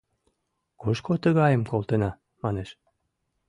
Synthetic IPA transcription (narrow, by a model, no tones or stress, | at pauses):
kuʃkot̪əɣɑjə̆mkolt̪enɑ | mɑneʃ